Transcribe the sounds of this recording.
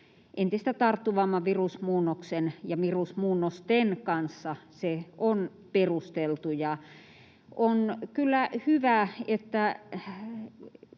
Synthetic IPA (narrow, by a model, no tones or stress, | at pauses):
ʔent̪ist̪æt̪ɑrt̪ːuʋɑmːɑʋirusmuːnːoksenjɑʋirusmuːnːost̪enkɑnsːɑseon | perust̪elt̪ujɑ | ʔonkylːæhyʋæet̪ːæ